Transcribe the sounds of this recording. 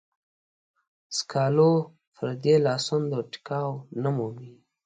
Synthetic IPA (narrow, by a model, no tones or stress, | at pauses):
skʰɑlo | fəɾd̪elɑsund̪əʈi̥kɑwnamumi